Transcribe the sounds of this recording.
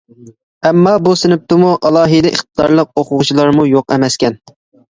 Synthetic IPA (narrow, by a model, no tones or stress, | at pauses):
ɛmːɑbusɪnɪp̚t̪ɪmuʔɑlˠɑːɦɨd̪ɛʔiχt̪̚ɨd̪ɑ̰ɾlˠəq̚oqʰʊʁʊt͡ʃʰilˠɑɾmujoqɛ̰mɛskʲɛn